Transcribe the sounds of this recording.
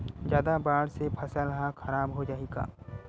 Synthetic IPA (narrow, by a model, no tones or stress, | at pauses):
d͡ʒjaːd̪abaːɽsepʰɐsalɐɦakʰɐɾaːbɦod͡ʒaːeɡa̰ː